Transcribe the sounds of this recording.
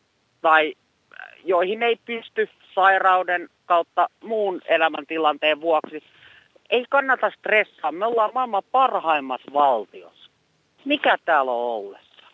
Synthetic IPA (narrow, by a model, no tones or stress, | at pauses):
t̪ɑi | joihineipyst̪y | sɑirɑudenkɑut̪ːɑmuːnelæmæ̰nt̪ilɑnt̪eːʋʋuɑksi | eikɑnːɑt̪ɑst̪resːɑːmmeolːɑːmmɑimːɑpɑrhɑimːɑsʋɑlt̪io̰s | mikæt̪æːlo̰olːḛsːɑ̥